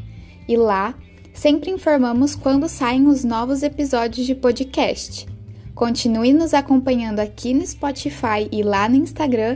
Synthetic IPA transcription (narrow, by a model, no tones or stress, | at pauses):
ɪla | sẽpɾɪĩfoɾmɐ̃mʊskwɐ̃nd̪ʊsaẽj̃ʊznɔvʊzepizɔd͡ʒiʊzd͡ʒɪpod͡ʒikɛst͡ʃɪ̥kõt͡ʃinuɪnʊzakõpɐ̃ɲɐ̃nd̪ʊakʲʰinʊɪspɔt͡ʃifajɪlanʊĩst̪aɡɾɐ̃